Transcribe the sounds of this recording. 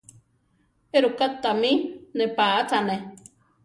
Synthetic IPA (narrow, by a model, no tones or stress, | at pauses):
eɾukat̪ːaminepaat̪ʰane